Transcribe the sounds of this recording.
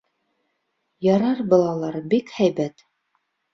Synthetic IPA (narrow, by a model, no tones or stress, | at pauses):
jɑɾɑɾbɑlˠɑlˠɑɾbikhæjbæt̪